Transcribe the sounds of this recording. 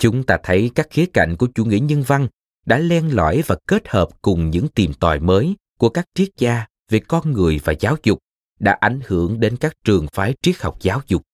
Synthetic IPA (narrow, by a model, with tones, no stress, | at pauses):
t͡ɕʊ˨˦ŋ͡mt̪aː˧t̪ʰə˨˦jkaː˦˥k̚xi˨˦əka̰˧˨jŋ̟ku˧˩ət͡ɕu˧˩ŋḭ˧˥ɲə˧nva˧ŋ | ɗa̰ː˧˥lɛ˧nlwa̰ː˧˨jvaː˨˩ke˦˥t̚həː˨˩p̚kʊ˨˩ŋ͡mɲɨ̰˧˥ŋt̪i˨˩mt̪wɔ̰ː˨˩jməː˨˦jku˧˩əkaː˦˥k̚t͡ɕi˦˥ət̚t͡ɕaː˧ | ve˨˩kɔ˧nŋɨ˨˩əjvaː˨˩zaː˨˦wzʊ˨˩k͡p̚ | ɗa̰ː˧˥ʔa˧˩jŋ̟hɨ̰˧˩˨əŋɗe˨˦nkaː˦˥k̚t͡ɕɨ˨˩əŋfaː˨˦jt͡ɕi˨˦˥ək̚ha˨˩wk͡p̚zaː˨˦wzʊ˨˩k͡p̚